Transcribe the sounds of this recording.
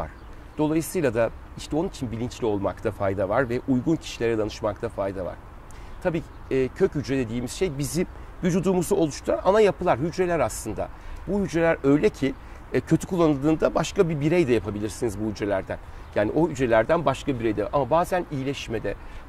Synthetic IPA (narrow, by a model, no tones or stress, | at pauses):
a̰ɾ̥ | d̪̥o̞lˠajɯsɯjlˠad̪a | iʃt̪ʰɛo̞nunit͡ʃʰinbilʲint͡ʃlʲio̞lˠma̰kt̪ʰafajd̪avaɾvɛʔujɡuncʰi̥ʃilʲeɾɛd̪anɯʃmakt̪ʰafajd̪ava̰ɾ̥ | t̪ʰabiː | cʰøchyd͡ʒɾɛd̪e̞d̪iːmiz̥ʃejbizim | vyd͡ʒud̪uːmuzuo̞lˠuʃt̪ʰanʔanajapɯlˠaɾɦyd͡ʒɾelʲæɾaslˠɯnd̪a̰buhyd͡ʒɾelʲæɾø̞jlʲɛcʰi | cʰø̞t̪ʰy̥kʰulˠːanɯlˠɯːnd̪abaʃkabibiɾɛjd̪ɛjapʰabilʲiɾsinizbuhyd͡ʒɾelʲæɾd̪æn | jaːniʔo̞hyd͡ʒɾelʲæɾd̪ænbaʃkabiɾejd̪ɛamabaːzænijilʲɛʃmɛd̪ɛ